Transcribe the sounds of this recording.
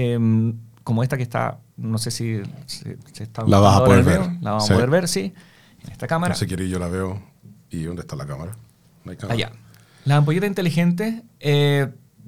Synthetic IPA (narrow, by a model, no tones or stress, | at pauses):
emkomo̞est̪akest̪a̰ | no̞sesisḛset̪alaβaaap̪ooðeɾeɾolaβaaseɾβe̞ɾsi | enʔest̪akamaɾasekjeɾiʝolaβeo | iond̪est̪alakamaɾa | najkamaja̰ | lasamp̬oʝe̞t̪asint̪e̞lixent̪ese